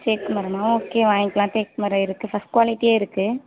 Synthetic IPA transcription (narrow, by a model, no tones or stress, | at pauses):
teːkkːɯmɐɾɐmãːoːkːeːʋãːɪŋkɐlãːt̪eːk̚mɐɾɐ̃ɪɾɯkːɯfɐsʈ̚kʋaːlɪʈːieːɪɾɯkːɯ